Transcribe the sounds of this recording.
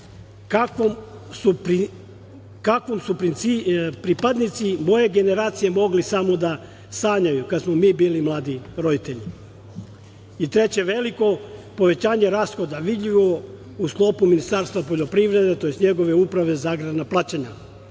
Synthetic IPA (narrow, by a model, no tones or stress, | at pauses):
kakom | supɾi | kakʋomsupɾint̪sipɾipad̪nit̪simo̞je̞ɡe̞ne̞ɾaːt̪sije̞mo̞ɡlisamo̞d̪a | saːɲajukad̪smomiːbiːlimlˠaːd̪iɾo̞d̪it̪eʎi | it̪ɾe̞t͡ɕe̞ʋe̞liko̞po̞ʋe̞t͡ɕaːɲe̞ɾaːsxo̞d̪aʋid̪ʎʲiʋo | usklˠo̞puminist̪aːɾst̪ʋapoʎo̞pɾiʋɾe̞d̪et̪o̞jest̪ɲe̞ɡo̞ʋe̞upɾaʋe̞zaːɡɾad̪naplaːt͡ɕaɲa